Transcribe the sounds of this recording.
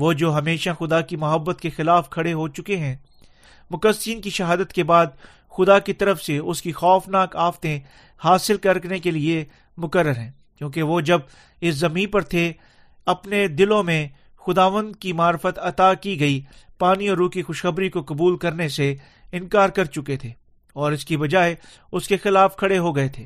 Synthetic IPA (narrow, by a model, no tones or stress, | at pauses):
ʋod͡ʒoːɦɐmeːʃaxʊd̪akimɐɦəbːət̪kexɪlaːfkʰɐɽeɦot͡ʃʊkeɦɛ̃ | mʊkəsiːnkiʃɐɦaːd̪ət̪kebaːd̪̚ | xʊd̪akit̪ɐɾəfseʊskixɔːfnaːkaːft̪ẽ | haːsɪlkɐɾknekelie | mʊkəɾːəɾɦɛ̃ː | kjõːkeʋoːd͡ʒɐb̚ | ɪszɐmĩːnpɐɾt̪ʰe | ɐpned̪ɪlõmẽ | xʊd̪aːʋə̃nd̪̚kimaːɾfət̪ɐt̪akiɡɐipaːniɔːɾuːkixʊʃxɐbɾikokɐbuːlkɐɾnese | ɪ̃nkaːɾkɐɾt͡ʃʊket̪ʰeː | ɔːɾɪskibɐd͡ʒaːe | ʊskexɪlaːfkʰɐɽeɦoɡɐet̪ʰeː